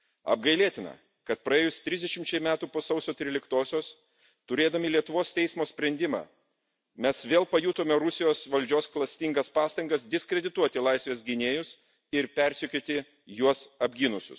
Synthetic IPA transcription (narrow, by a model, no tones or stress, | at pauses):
ɐ̰b̚ɡɐɪlʲeːt̪ʲɪnɐ̰ | kɐt̪pɾɐeːjʊst̪ʲɾʲɪzʲd̪ʲɛʃʲɪmt͡ʃʲɛɪmʲæːt̪uːpoːsɐʊsʲoːt̪ʲɾʲɪlʲɪkt̪oːsʲoːs | t̪ʊɾʲeːd̪ɐmʲɪlʲiɛt̪ʊʋoːst̪ʲɛɪsmoːsʲpʲɾʲɛnʲd̪ʲɪmɑ̰ː | mʲɛsʋʲeːlˠpɐjuːt̪oːmʲɛɾʊsʲɪjoːsʋɐlʲd͡ʒʲoːsklˠɐsʲt̪ʲɪŋɡɐspɑːst̪ɐŋɡɐs̬d̪ʲɪsʲkʲɾʲɛd̪ʲɪt̪uɔt̪ʲɪlˠɐɪsʲʋʲeːsɡʲɪnʲeːjʊs | ɪɾpʲɛɾʲsʲɪkʲoːt̪ʲɪ | juɔsɐbʲɡʲiːnʊsʲʊ̰s